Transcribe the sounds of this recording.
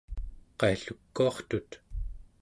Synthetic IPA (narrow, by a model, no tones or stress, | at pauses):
qɑiɬukːuɑχt̪ut̪